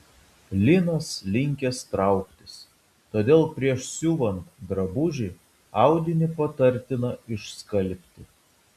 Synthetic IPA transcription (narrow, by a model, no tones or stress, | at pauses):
lʲɪnɐslʲɪŋʲkʲɛst̪ɾɑˑʊkt̪ʲɪs | t̪oːd̪ʲeːlˠpʲɾʲiɛʃsʲuːʋɐnt̪d̪ɾɐbʊʒʲɪ | ɑˑʊd̪ʲɪnʲɪpɐt̪ɐɾʲt̪ʲɪnɐɪʃskɐlʲˑpʲt̪ʲɪ